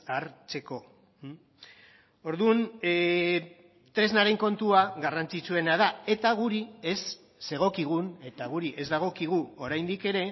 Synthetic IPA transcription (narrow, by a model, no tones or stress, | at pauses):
aɾt͡se̞ko̞ | o̞ɾðun | t̪ɾe̞znaɾe̞ŋko̞nt̪uaɣarant͡sit͡sue̞nað̞ae̞t̪aɣ̞uɾie̞sː | e̞ɣ̞o̞kiɣ̞une̞t̪aɣuɾiʔe̞zd̪aɣ̞o̞kiɣ̞uo̞ɾajnd̪ike̞ɾe̞